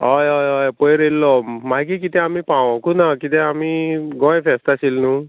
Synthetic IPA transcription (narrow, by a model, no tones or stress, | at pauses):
ɔjɔjɔjpɔjɾelːɔmajk̬ikit̪ɛ̃amipaw̃ɔ̃kunakit̪ɛ̃amiɡɔ̃jẽpʰest̪asilnu